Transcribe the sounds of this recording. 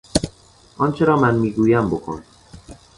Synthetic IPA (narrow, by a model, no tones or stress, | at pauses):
ʔɒnt͡ʃʰeɾɒːmænmiːɡuːjæmbokʰo̰n